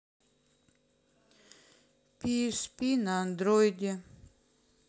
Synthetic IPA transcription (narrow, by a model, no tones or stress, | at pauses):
piɛspinaːnd̪ɾojd̪ʲe